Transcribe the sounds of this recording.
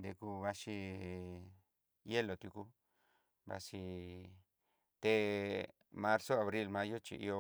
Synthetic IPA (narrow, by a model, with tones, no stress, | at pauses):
nd̪e˧ku˧βa˧ʃi˧ | je˦lo˨t̪ju˧ku˧ | βa̰˧si˧ | t̪e˧ | mã˧ɾso˦a˨βɾi˧lmã˧jo˦t͡ʃḭ˨ʔḭ˧o˧